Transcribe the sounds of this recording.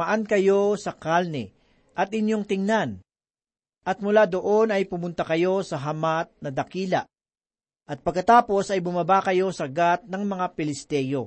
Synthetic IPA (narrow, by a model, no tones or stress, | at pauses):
ɐʔankɐjo̞sɐkalnɛ̰ | ʔɐt̪ɪnjo̞ŋt̪ɪŋnan | ʔɐt̪̚mʊlad̪oʔo̞nɐjpʊmʊnt̪ɐkɐjo̞sɐɦɐmat̪̚nɐd̪ɐkiːlɐ̰ | ʔɐt̪̚pɐɡkɐt̪aːpo̞sɐjbʊmɐbakɐjo̞sɐɡat̪̚nɐŋmɐŋapɪlɪst̪ɛjo